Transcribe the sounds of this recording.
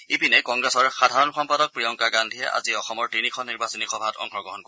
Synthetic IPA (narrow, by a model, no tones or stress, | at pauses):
ipinɛkɔŋɡɹɛsɔɹxadʱaɹɔnxɔmpadɔk̚pɹijɔŋkaɡandʱijɛ̰ʔa̰ziɔxɔmɔɹtinixʰɔniɹbasɔnixɔbʱatɔ̰ŋxɔɡɔɦɔnko